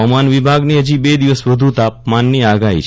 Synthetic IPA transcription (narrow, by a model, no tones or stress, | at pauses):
manʋibʱaɡniːəd͡ʒiːbed̪iʋəsʋəd̪ʱũt̪ap̚manːiaɡaḭt͡ʃ